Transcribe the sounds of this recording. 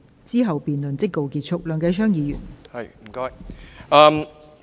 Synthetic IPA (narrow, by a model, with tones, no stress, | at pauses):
t͡siː˥ɦɐ˨wpiː˨nlɵ˨nt͡sɪ˥kːo˨wkiː˧t̚t͡ʃʰʊ˥k̚lœː˨˩ŋkɐ˧jsʰœː˥ŋjiː˨˧jy̰ː˨˩nhɐ˨j̩˨˩kɔː˥jɐ˧m